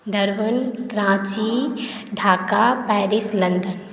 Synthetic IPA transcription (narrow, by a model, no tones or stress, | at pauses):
ɖəɾʋənɡɾãːt͡ʃiɖʱaːkapɛːɾislɐnd̪ən